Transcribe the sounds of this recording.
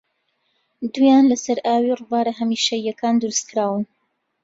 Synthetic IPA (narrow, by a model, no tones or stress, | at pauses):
d̪ujaːnlɐsɐɾʔaːwirɨvaːɾɐɦɐmiːʃɐjːɐkaːnd̪ɨɾɨskʰɨɾaːwɨn